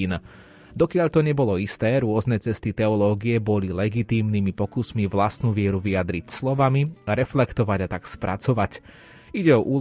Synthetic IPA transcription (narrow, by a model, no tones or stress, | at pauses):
iːn | d̪ɔkɪaʎt̪ɔɲɛbɔlɔist̪ɛːɾʊɔznɛt͡sɛst̪it̪ɛɔlɔːɡiɛbɔlilɛɡit̪iːmnimipɔkusmiʋlast̪nuʋɪɛɾuʋijad̪ɾicslɔʋamiɾɛflɛkt̪ɔʋaɟat̪akspɾʔa̰t͡sɔʋac | iɟɛɔʔuː